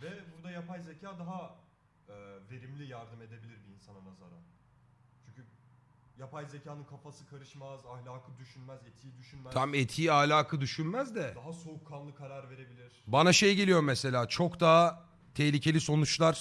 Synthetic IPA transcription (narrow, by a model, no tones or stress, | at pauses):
vɛbuɾd̪ajapajzecʰaːd̪aɦa | ɛːve̞ɾimlʲijaɾd̪ɯme̞d̪e̞bilʲiɾbiːnsanɯnaza̰ɾa̰n | t͡ʃʰyɲcʰy | japajzecʰaːnɯnkʰafasɯkʰaɾɯʃmazahlʲaːkʰɯd̪yʃynmæzet̪ʰijid̪yʃynmæamet̪ʰiːahlʲaːkʰɯd̪yʃynmæzd̪ɛd̪aɦaso̞ukʰːanlˠɯkʰaɾaɾve̞ɾe̞bilʲiɾ̥banaʃe̞jɟe̞lʲijo̞ɾumːɛse̞lʲaːt͡ʃʰo̞kd̪aː | t̪ʰɛçlʲicʰe̞lʲiso̞nut͡ʃlˠaɾ̥